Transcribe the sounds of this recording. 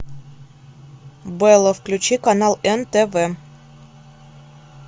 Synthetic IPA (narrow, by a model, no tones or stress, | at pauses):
bɨɛlˠəfklʲʉt͡ɕikanɑlˠɛnt̪ɛvɛ